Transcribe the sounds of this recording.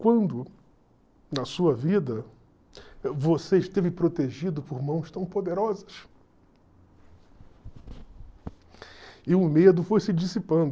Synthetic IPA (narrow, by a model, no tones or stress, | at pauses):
kwɐ̃nd̪ʊ | nɐsuɐvid̪ɐ | voseɪʃt̪evɪpɾot̪eʒid̪ʊpʊɾmɐ̃w̃st̪ɐ̃w̃pod̪eɾɔzɐs | ɪʊmed̪ʊfojsɪd͡ʒisipɐ̃nd̪ʊ